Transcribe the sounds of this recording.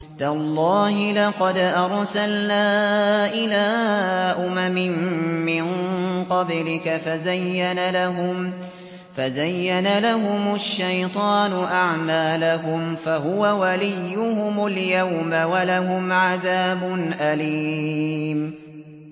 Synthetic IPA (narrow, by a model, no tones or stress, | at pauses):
t̪alˤːɑːhɪlɑqɑd̪ʔɑɾˤsalnaːʔɪlaːʔʊmamɪnːɪnqɑblɪkafazajːanalaɦʊm | fazajːanalaɦʊmʊʃːajt̪ˤɑːnʊʔaʕmaːlaɦʊmfaɦʊwawalɪjːʊhʊmʊljawmawalaɦʊmʕaðaːbʊnʔaliːm